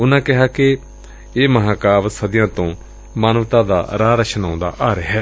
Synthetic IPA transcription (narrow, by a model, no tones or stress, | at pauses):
ʊnãːkɪɦaːkɪ | eːməɦãːkaːʋsəd̪jãːt̪õː | maːnəʋt̪ãːd̪a̰ːɾaːɾəʃənãːʊ̃nd̪a̰ːʔaːɾeɦɛː